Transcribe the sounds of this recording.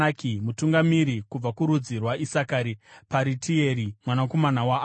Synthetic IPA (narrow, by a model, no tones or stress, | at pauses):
akimutuŋɡamiɾikub͡vakuɾud͡zirwaisakaːɾipaɾitʰieɾimwanako̞manawa